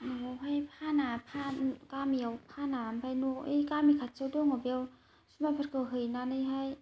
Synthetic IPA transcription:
nɔawɦajpʰanapʰakamiawpʰanampʰajnoɯjkamikʰat̚t͡ʃawdɔŋabjaw | sumajpʰaɾkʰɯɦɯjnanɯjɦaj

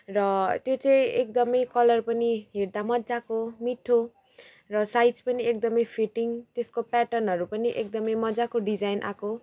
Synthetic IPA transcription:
rʌt̪jot͡sʌĩekd̪ʌmʌjkʌlʌrpʌniɦerd̪amʌdd͡zakomiʈʰo | rʌsajt͡spʌniek̚d̪ʌmʌjpʰiʈiŋt̪eskopɛʈʌnɦʌɾupʌniʔek̚d̪ʌmʌjmʌd͡zakoɖid͡zajnʔa̰ko

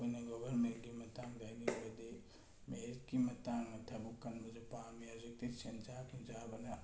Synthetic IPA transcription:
onɐɡɔbʱɐɾmenɡimɐtaŋdajnibɐde | meit̚kimɐtaŋɐtʰɐbukːɐnbɐzupamijazek̚tisent͡ʃakind͡ʒabɐnɐ

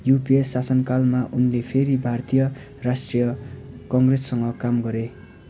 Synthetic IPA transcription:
jupiesasʌnkalmaʔunlepʰeɾibʱart̪ijʌ | rasʈrijʌkʌŋɡresːʌŋɡʌkamɡʌɾe

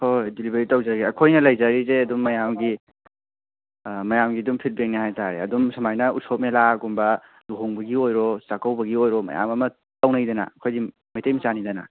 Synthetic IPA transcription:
hojdilibeɾitawzaɡiɐkʰojnɐlajzaɾizeɐdumːɐjamɡi | mɐjamɡidumpʰit̚bek̚nihajtaɾeɐ̰dumsɐmajnɐusʰop̚melaɡumbɐ | luɦoŋbɐɡiojɾɔsakawbɐɡiojɾɔmɐ̰ja̰mɐmɐ | tawnajdɐna̰ɐkʰojɡi | majtejmisanidɐna̰

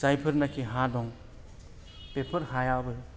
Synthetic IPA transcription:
zajpʰɯɾnakʰiɦadɔŋ | pepʰəɾhajabɯ

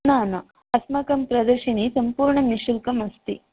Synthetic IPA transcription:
naːnɐ | ɐsmɐkɐmpɾɐd̪ɐɾʂinisɐmpuːɾɳɐmiʃulkɐmɐst̪ḭ

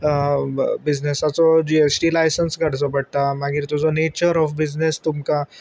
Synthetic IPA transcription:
bid͡znesat͡sɔd͡ʑiesʈilajsənsɡʱaɽ̤t͡sɔpəɽ̚t̪amaɡiːɾt̪od͡zɔnet͡ɕəɾɔfbid͡znest̪umka

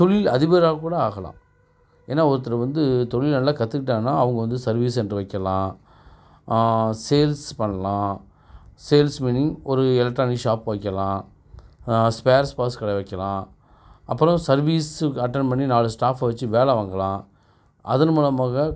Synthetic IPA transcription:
t̪ɔɭɪlɐðɪbɐɾaːkuːɽɐaːɣɐlã̰ː | eːnːaːɔɾɯt̪̬ːɪlɐʋɐnd̪ɯt̪ɔɭɪlnɐlːaːkɐt̪ːɯkːɪʈ̬ːaːŋnːaːɐʋɐŋɡɐʋɐnd̪ɯsɐɾʋiːs̬ɛndrɯʋɐɪkːɐlãː | seːlspɐɳːɐlãː | seːlsmiːnɪŋɔɾɯɛlɐk̚ʈɾaːniʂaːpʋɐɪkːɐlãː | speːɾspaːskɐɽɐʋɐɪkːɐlãː | ɐpːɯɾɔ̃sɐɾʋiːsɐʈːɐnpɐɳːinaːlɯsʈaːfaːʋɐt͡ʃːɯʋeːɭɐʋaːŋɡɐɭlãː | ʔɐðɐnmuːlɐmaːɣɐ

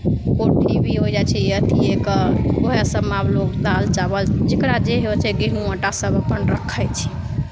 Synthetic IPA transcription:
koʈʰibʱiɦod͡ʒat͡ʃʰɛət̪iekəoɦesəbmablokd̪alt͡ʃabəld͡ʒekɾad͡ʒeɦet͡ʃʰɛɡiɦnũəʈasəbəpənɾəkʰəjt͡ʃʰi̥

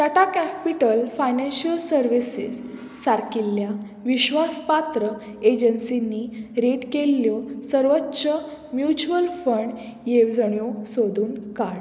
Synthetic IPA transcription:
t̪aʈakæpiʈəlfajnænɕəlsəɾʋisḭsː | aɾkilːja | ʋiɕʋaspat̪ɾə | ed͡ʑənsinːiɾeʈkeljɔsəɾʋətːɕəmjut͡ɕuəlfəɳɖ | jeʋd͡zəɳjosod̪ʱuːnkaɽ

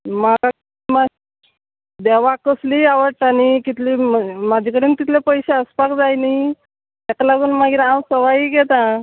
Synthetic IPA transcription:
maka | ma | d̪eʋakəsliaʋəʈañikit̪liːmad͡ʑʱikəɽiːnit̪it̪ʰlepəjɕeəspakd͡zajnəi | t̪akalaɡuːnmaɡiːɾawsəʋajiɡɛt̪ã

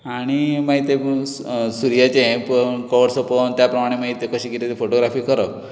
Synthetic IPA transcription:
aɽ̃imaɦit̪e | suɾijat͡ɕẽpəɳkɔʋɽsopənt̪japɾəmaɽ̃emaɦit̪ekəɕikit̪et̪efoʈoɡɾafiːkəɾə

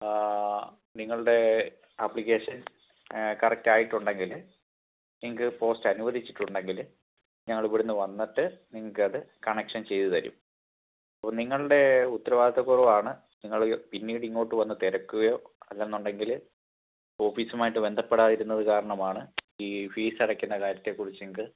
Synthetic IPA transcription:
niŋːɐɭuɽe̞ | ɐpːɭik̬ːe̞ːʂɐn | kɐrɐk̚taːjiʈːuɳɖe̞ŋɡil | niŋːɐk̬ːɨpo̞ːstɐnuʋɐðʱit͡ɕːi̥ʈːuɳɖe̞ŋɡil | ɲɐŋːɐɭipːoɽunːɨʋɐnːɐʈːɨniŋːɐɭkɨɐðɨkɐɳekʂɐnt͡ɕe̞jt̪ut̪ɐɾṵm | ɐpːɐːniŋːɐɭuɽe̞ut̪ːɐɾɐʋaːd̪ʱɐðɐkurɐʋaːɳɨ | niŋːɐɭpinːiːɽiŋːo̞ːʈːɨʋɐnːɨt̪eɾɐkːuɣɐjo̞ːɐlːenːuɳɖe̞ŋɡil | o̞ːfiːsumaːjiʈːɨbe̞nd̪ʱɐpːeɽaːðiɾunːɐðɨkaːɾɐɳɐmaːɳɨiːfiːsɐɽɐkʲːunːɐkaːɾɐt̪ːe̞kːurit͡ɕːɨneŋːɐkːɨ

